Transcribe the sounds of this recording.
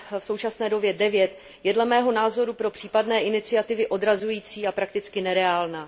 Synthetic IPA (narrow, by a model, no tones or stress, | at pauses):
fso̞wt͡ʃasnɛːdo̞bjɛdɛvjɛt̪ | jɛdlɛmɛːɦo̞naːzo̞ɾupɾo̞pr̥iːpadnɛːʔɪnɪt͡sɪat̪ɪvɪʔo̞dɾazujiːt͡siːapɾak̚t̪ɪt͡skɪnɛɾɛaːlnaː